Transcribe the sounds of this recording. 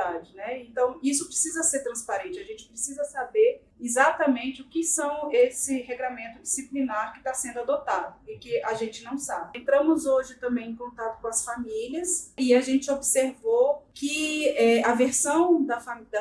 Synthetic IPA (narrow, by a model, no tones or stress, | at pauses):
ad͡ʒɪnɛẽnt̪ɐ̃w̃isʊpɾesizɐseɾt̪ɾɐ̃spaɾẽnt͡ʃɪaʒẽnt͡ʃɪ̥pɾesizɐsabeɾ | izat̪ɐmẽnt͡ʃɪʊkɪsɐ̃w̃esɪɦeɡlamẽnt̪ʊd͡ʒisiplinaɾkɪt̪asẽnd̪ʊad̪ot̪ad̪ʊɪkɪaʒẽnt͡ʃɪnɐ̃w̃sabɪẽnt̪ɾɐ̃mʊzoʒɪt̪ɐ̃mbẽj̃ẽkõnt̪at̪ʊ̥kõɐsfamiliɐsɪaʒẽnt͡ʃɪobseɾvokɪɛɐveɾsɐ̃w̃d̪ɐfaid̪